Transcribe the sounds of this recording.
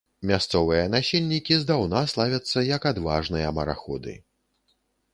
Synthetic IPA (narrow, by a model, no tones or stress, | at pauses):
mʲast̪sɔvɨjɐnasʲilʲnʲikʲizd̪awnaslˠavʲɐt̪sːɐjɐkad̪va̰ʐnɨjɐmɐɾa̰xɔ̰d̪ɨ̰